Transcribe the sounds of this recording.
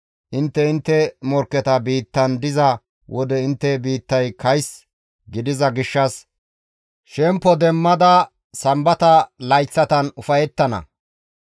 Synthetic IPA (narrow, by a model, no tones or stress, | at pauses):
ʔɪnt̪ːɛɪnt̪ːɛmɔɾkːɛt̪ɐbiːt̪ːɐnd̪ɪzɐ | wʔɔd̪ɛɪnt̪ːɛbiːt̪ːɐjkɐjs | ɡɪd̪ɪzɐɡɪʃːɐs | ʃɛmpːɔd̪ɛmːɐd̪ɐ | sɐmbɐt̪ɐlɐjt͡sːɐt̪ɐnʊfɐjɛt̪ːɐnɐ̰